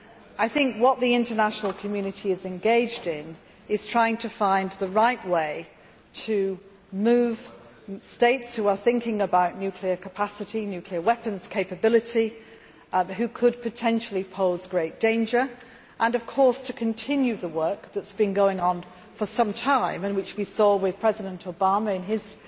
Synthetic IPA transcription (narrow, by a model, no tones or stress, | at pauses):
aɪθɪ̃ŋkwʌʔ̪̚ðiɪ̃ntənaʃnəl̩ˠkʰəmjʉnɨtʰiɪzɛ̃nɡeɪd͡ʒdɪ̃n | ɪz̥tʰɹ̥aɪɪ̃ŋtʰəfãɪ̃nðəɹaɪʔweɪ | tʰɨ | mʉːv̥ | steɪtshuəθɪ̃ŋkɪ̃ŋəbaʊʔⁿnjʉkʰliəkʰəpʰasɨɾinjʉkʰliəwɛpə̃nz̥kʰeɪpəbɪlˠɨti | ɦʉkʰəd̚pʰɨtʰɛ̃nʃl̩ˠipʰoʊzɡɹeɪt̚d̥ẽɪ̃nd͡ʒə˞ | ʔə̃nʌv̥kʰɔɹstʰɨkʰɨ̃ntʰɪ̃njʉðəwɜ˞k̚ðətsb̥ɨ̃nɡoʊɪ̃ŋə̃n | fə˞sʌ̃mtʰãɪ̃mɨ̃nwɨt͡ʃwisɔwɪð̥pʰɹ̥ɛzɨɾə̃ntʰoʊbɑməɪ̃nɪz̥